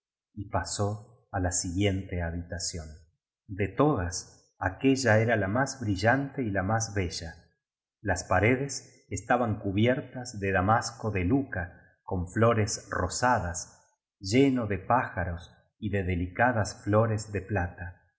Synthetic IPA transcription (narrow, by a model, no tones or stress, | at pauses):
ipaso̞ | alasiɣje̞nt̪eaβit̪asjo̞n | d̪et̪o̞ð̞as | ake̞ʒaeɾalamazβɾiʒant̪e̞ilamazβeʒa | laspaɾe̞ðes | est̪aβaŋkuβjeɾt̪azðeðamasko̞ðeluka | ko̞ɱflo̞ɾesrosaðas | ʒeno̞ðepaxaɾo̞s | iðeðelikaðasflo̞ɾezðe̞plat̪a